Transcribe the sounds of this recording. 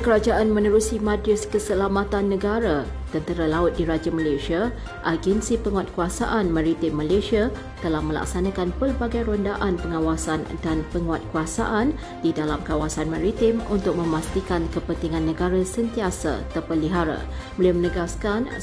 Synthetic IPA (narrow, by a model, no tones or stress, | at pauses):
kəɾad͡ʒaʔanmə̃nəɾusimãdɾɪskəsəlamat̪anːə̃ɡaɾa | t̪ənt̪əɾalaʊt̪̚diɾad͡ʒamalasia | ʔaɡɛnsipəŋuat̪̚kuasa̰ʔanmãɾit̪ɪmːalasia | t̪əlahmə̃la̰k̚sanãkanpərbaɡajɾondaʔanpəŋawasandanpəŋuat̪̚kuasa̰ʔan | didalamkawasanmãɾit̪ɪmʔunt̪ʊk̚mə̃mast̪ikankəpənt̪iŋãnːə̃ɡaɾasənt̪iasa̰t̪ərpəliɦaɾa̰ | bəliamənəɡaskan